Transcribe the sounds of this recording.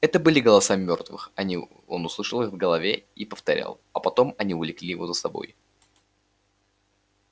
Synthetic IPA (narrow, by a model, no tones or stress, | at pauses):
ɛt̪əbɨlʲɪɡəlˠɐsamʲo̞rt̪vɨ̰xɐnʲi | o̞nʊslˠɨʂəlˠɨxvɡəlˠɐvʲeipəft̪ɐɾʲa̰lˠɐpɐt̪o̞mɐnʲiʊlʲɪklʲijɪvo̞zəsɐbo̞̰j